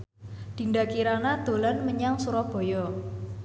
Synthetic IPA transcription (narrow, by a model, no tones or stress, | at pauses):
d̪̥i̤nɖakiɾanad̪̥o̤lanməɲaŋsuɾɔb̥ɔ̤jɔ